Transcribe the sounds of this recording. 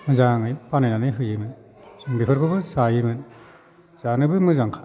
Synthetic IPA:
mɯzaŋɯjpanajnanɯɦɯjɯmɯn | sɯŋbipʰɯɾkʰɯbɯzajɯmɯn | z̥anɯbɯmɯzaŋkʰḁ

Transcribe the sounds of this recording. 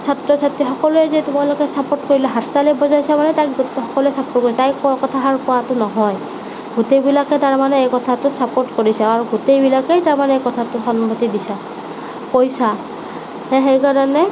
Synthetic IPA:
sʰatɹɔsatɹixɔkɔlʊɛzɛtʊmalʊkɛsapotkoɹilɛɦatːalɛbɔzajsamanɛtakɡxɔkɔluɛsapot̚koɹisɛtajkkɔtʰaɦaɹukɔwatʊnɔɦɔj | ɡutejbilakɛtaɹmanɛejkɔtʰatʊtsapotkoɹisaaɹuɡutejbilakejtaɹmanɛejkɔtʰatʊxɔnbʱotidisa | pojsa | hɛxejkaɹɔnɛ

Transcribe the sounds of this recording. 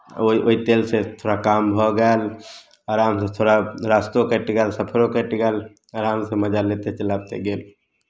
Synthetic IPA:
oʔoit̪eːlset̪ʰoːɾakaːmbʱɔɡɛl | aːɾaːmset̪ʰoːɾaɾaːst̪õkəʈɡɛlsəpʰəɾõkəʈɡɛl | aɾaːmseməd͡ʒaleːt̪et͡ʃəlaːb̚t̪eɡeːl

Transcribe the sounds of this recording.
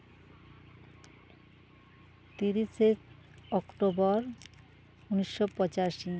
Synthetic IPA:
t̪iɾiʃe | ɔkʈobɔɾ | uniʃːopɔt͡ɕaʃi

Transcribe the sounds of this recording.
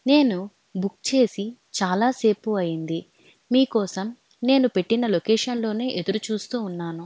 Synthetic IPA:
ne̞ːnu | bukt͡ʃe̞ːsit͡ʃaːlaːse̞ːpuɐjind̪i | miːkɔːsɐm | ne̞ːnupe̞ʈːinɐlokeːʂɐnlo̞ːne̞ːʔed̪uɾut͡ʃuːst̪uːnːaːnu

